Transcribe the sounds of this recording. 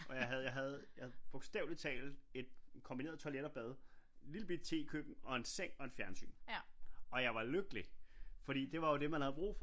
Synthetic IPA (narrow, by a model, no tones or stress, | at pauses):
ʔɒ̽jɑ̈ɪɦæðˠjɑ̈ɪɦæð̞̩ˠjab̥o̝ɡ̥sd̥ɛ̰ʊli̥t͡sʰɛ̰ːld̥e̝d̥̚kʰɒ̽mb̥ie̝̰ɐð̩ˠt͡sʰɒleɾɐb̥ɛð̞ˠliləb̥id̥̚t͡sʰe̝̰ːkʰøb̥n̩ɒ̽e̝nseŋ̰ɒ̽e̝d̥fjæɐnsy̰ːn | ɒ̽jɑ̈ɪʋɑ̈løɡ̥əlifɒ̽d̥ḭːd̥e̝ʋɑ̈jo̝d̥e̝mænhæðˠb̥ʁṵːf